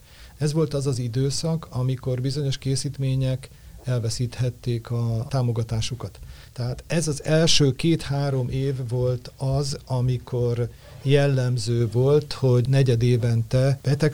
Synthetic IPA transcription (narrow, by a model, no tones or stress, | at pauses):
ɛzʋo̞lt̪ɒzɒzid̪øːsɒkʰɒmiko̞rbizo̞ɲo̞ʃkeːsiːt̪meːɲɛk | ɛlvɛsiːt̪hɛt̪ːeːkɒt̪aːmo̞ɡɒt̪aːʃukɒt̪ː | ɛɦaːt̪ɛzɒzɛlʃøːkeːt̪haːɾo̞meːvːo̞lt̪ɒzɒmiko̞r | jɛlːɛmzøːvo̞lt̪ho̞ɟnɛɟɛd̪eːvɛnt̪ɛb̥ɛt̪ɛk